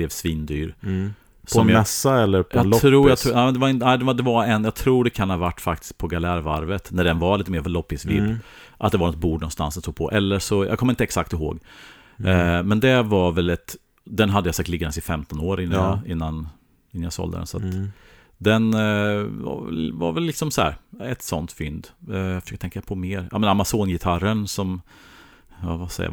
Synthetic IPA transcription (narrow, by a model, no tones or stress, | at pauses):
lɛːvsviːnd̪yːɾ | sɔmjɛsːaɛlːəɾpʰɑlɾuːjat̪ʰːɛːmɛnd̪ɛvaɪnt̪næɪd̪ɛvad̪ɛvaɾɛnjɑːɡ̚t̪ʰɾuːɖɛkʰanhaːvaʈːfak̚t̪ɪ̥sk̚pʰɔɡalæːɾva̰ɾvət̪næɖɛnvaliːt̪əmeːɾvlɔpːɪsvɪ̰d̪ʔat̪̚d̪ɛvanɔt̪̚buːɖnɔnst̪ansd̪ɛnsuːɡ̚pʰɔ̰ʔɛlːəʂɔj̰ɡkʰɔmɾɪnt̪əɛksak̚t̪ɪɦo̰ːɡ | mɛnd̪ɛvaɾvɛlɛt̪ | d̪ɛnɦad̪əjasak̚t̪lɪɡːad̪ɛnsɪfɛmt̪ɔnoːɾɪnːajɑɪnːan | ɪnːanjasɔ̰ld̪ə̰ɛ̰nsat̪ | d̪ɛn | va̰vɛ̰lva̰ɾvɛllːɪksɔmsɔæ̰ːɾɛt̪sɔ̰nt̪fʏnd̪fœʂøːk̚t̪ʰɛŋkapʰɔmeːɾa̰ːmɛnamasoːnjɪt̪ʰaɾənsɔm | avasɛ̰ja̰